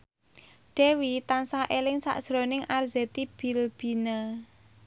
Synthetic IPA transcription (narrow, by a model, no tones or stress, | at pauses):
ɖ̥ɛ̤wit̪ansaʔelɪŋsa̰ʔd̥ʒ̥ɾonɪŋʔarzɛt̪ib̥ilb̥i̤nə